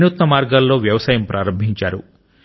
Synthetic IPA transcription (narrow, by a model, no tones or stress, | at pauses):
nuːt̪nɐmaːɾɡaːlːo̞ːʋjɐʋɐsaːjɐmpɾʔaːɾɐmbʱiɲt͡ʃaːɾṵ